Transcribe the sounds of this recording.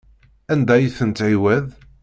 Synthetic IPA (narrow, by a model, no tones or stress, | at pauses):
ænd̪æjiθənt̪ʕiwæð